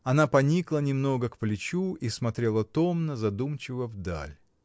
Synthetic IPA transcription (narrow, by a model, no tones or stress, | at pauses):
ɐnapɐnʲiklˠənʲɪmno̞ɡəkplʲɪt͡ɕuismɐt̪ɾʲe̞lˠət̪o̞mnəzɐd̪umt͡ɕɪvəvd̪a̰lʲ